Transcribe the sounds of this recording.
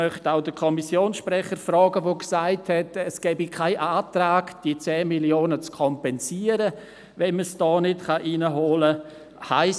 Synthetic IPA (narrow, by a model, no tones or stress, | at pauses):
œχtaʊdəkʰɔmisjoːnsʃprɛχəɾfɾɔːɡəʋoksaɪthɛtɛsɡ̥ɛːbikʰaɪʔaːtɾaːɡd̥iət͡sɛːmiljoːnət͡skʰɔmpɛnsiːəɾə | ʋɛnməsd̥ɔːnɪtχɑʔiːnəɦoːlə | haɪ